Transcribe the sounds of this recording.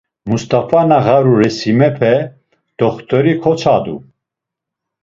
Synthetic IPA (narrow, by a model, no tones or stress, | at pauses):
must̪afanaɣaɾuɾɛsimɛpʰɛ | d̪̥ɔχt̪ʼɔɾikʰɔt͡sʰad̪ṵ